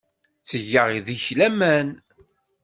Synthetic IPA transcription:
t͡sːəʝːəʁiðiçlæmæn

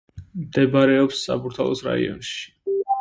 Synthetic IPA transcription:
md̪ɛbaɾɛɔpsːa̰puɾt̪ʰalˠɔsɾa̰ḭɔ̰nʃi̥

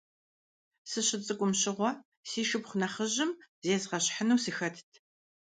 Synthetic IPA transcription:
sɨɕɪt͡sʼɨkʷʼʊmɕɪʁʷɔ | siːʃɨpχʷʊnɐχəʑɪmzeːzʁɐɕħənuwsɨxɐtʰtʰ

